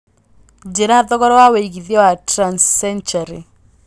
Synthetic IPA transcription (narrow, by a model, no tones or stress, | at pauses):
d͡ʒeɾaðɔkɔɾɔwaweiɡiðjɔwatɾansːɛnt͡ʃaɾi